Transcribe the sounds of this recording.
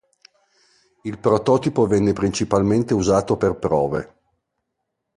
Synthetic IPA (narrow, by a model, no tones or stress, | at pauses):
ilpɾot̪ɔːt̪ipovɛnːepɾint͡ʃipalment̪euzaːt̪operpɾɔːvḛ